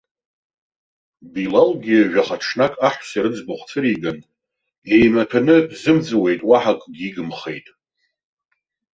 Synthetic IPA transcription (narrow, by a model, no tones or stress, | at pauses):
bilalɡʲiʒᶣaχaʈ͡ʂʰnakʼaħʷsiɾɨd͡zbʊχʷt͡sʰɨɾiɡan | e̞jmatʰanɨzɨmd͡zɨwe̞jtʼwaħakʼɡʲiɡɨmχḛjtʼ